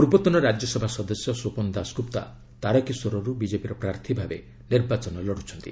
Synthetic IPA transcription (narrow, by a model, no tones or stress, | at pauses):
puɾbɔt̪ɔnɔɾad͡ʒjɔsɔbʱasɔd̪ɔsjɔsopɔnd̪askupt̪a̰ | t̪aɾɔkiswɔɾɔɾubid͡ʒepiɾɔpɾaɾt̪ʰibʱabḛ | niɾbat͡ʃɔnɔlɔɽut͡ʃʰɔnt̪i